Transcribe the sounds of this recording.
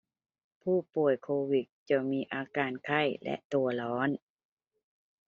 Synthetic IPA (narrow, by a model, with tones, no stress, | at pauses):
pʰuː˥˩pu˨˩əjkʰoː˧wi˨˩t̪̚t͡ɕa˧˩miː˧ʔaː˧kaː˧nkʰa˥˩jlɛ̰˧˦ʔt̪u˧ɐlɔː˦˥n